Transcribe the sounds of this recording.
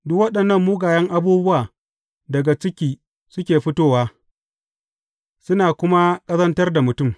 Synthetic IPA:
dʊ˦kwɐ˦ɗɐ˨nːɐ˦mːuː˦ɡaː˨jɐ˦ŋʔa˦buː˦bʊ˦waː˨ | dɐ˨ɡa˨t͡ʃɪ˦kʲiː˦ | sʊ˦kʲeː˨ɸɪ˦toː˦waː˦ | sʊ˦naː˨kʷʊ˦ma˦kʼɐ˦zɐ˦ntɐ˦rda˨mʊ˨tʊ˦˨m

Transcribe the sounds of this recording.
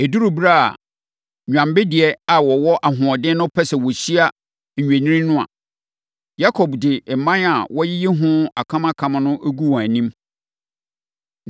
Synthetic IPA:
e˨du˦ɾu˨bɾa˦˨a̰˨ | ɲᶣã˨mbɪ˦dɪ˨ɛ˦a˨wɔ˨wɔ˦ʔa˨ɦʊ̃˨ɔ˨dɪ̃˦nʊ̃˦pʰɛ˦sɛ˨wɔ˨ɕi˦a˦ | ɲ̩˨ɲᶣæ˨nĩ˦ĩ˦nʊ̃˦a̰˨ | ja˦kʰɔ˨bdɪ˨mã˦na˨wɔ˦jɪ˦jɪ˦ɦʊ̃˦a˨kʰã˦ma˦kʰã˨ma˨nʊ̃˦ʔe˦ɡu˦wɔ̃˨æ˨nĩ˦m

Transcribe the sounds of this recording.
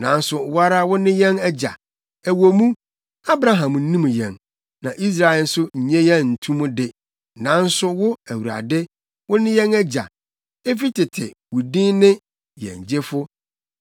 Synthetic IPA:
nã˨n̩˦sʊ˨wa˦ɾa˦wʊ˦nɪ̃˦jɛ̃˦nɛ˦d͡ʑa̰˨ | æ˨wo˨mũ˦ | a˦bɾa˨ɦã˨m˨n̩˦nĩ˦m̃˨jɛ̰̃˨n | nã˨ʔi˦s̬ɾa˨n̩˦sʊ˦ɲ̩˨ɲɛ̃˦jɛ˦n̩˨tʰũ˦mũ˦dɪ˦ | nã˨˦n̩˦sʊ˦wʊ˦æ˨wu˨ɾa̰˨dɪ˦ | wʊ̃˦nɪ̃˦jɛ̃˦nɛ˦d͡ʑa̰˨ | e˦fi˦tʰɪ˨tʰɪ̰˨wu˨dĩ˦nɪ̃˦ | jɛ̰̃˨ɲ˨d͡ʑɪ˦fʊ˦

